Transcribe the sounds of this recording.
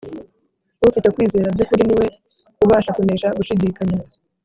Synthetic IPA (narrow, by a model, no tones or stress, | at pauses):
βufitekwiːze̞ːɾabɟukuɾiniwe̞ | kuβaːʃakune̞ːʃaɡuʃidiːkaɲa